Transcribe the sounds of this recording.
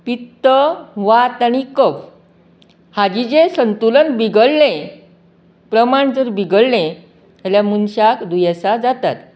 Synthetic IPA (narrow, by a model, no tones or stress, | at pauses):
pit̪ːəʋat̪aɽikəp | had͡ʑid͡zesənt̪ulənbiɡəɭlẽ | pɾəmaɳd͡zəɾbiɡəllẽ | aljamunɕakd̪ujasad͡zat̪a̰t̪